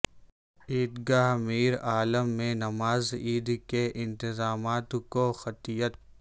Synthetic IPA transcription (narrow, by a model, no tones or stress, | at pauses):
iːd̪ɡaːɦmiːɾaːləmːẽnɐmaːziːd̪keʔɪ̃nt̪ɪzaːmaːt̪koxɐt̪ijət̪